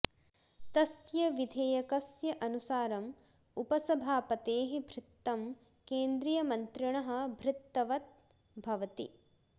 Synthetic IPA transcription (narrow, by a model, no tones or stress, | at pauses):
t̪ɐsjɐʋid̪ʱeːjɐkɐsjɐʔɐnusaːɾɐm | upɐsɐbʱaːpɐt̪eːɦibʱɾɪt̪ːɐm | keːnd̪ɾijɐmɐnt̪ɾiɳɐɦɐ̆bʱɾɪt̪ːɐʋɐt̪̚ | bʱɐʋɐt̪ḭ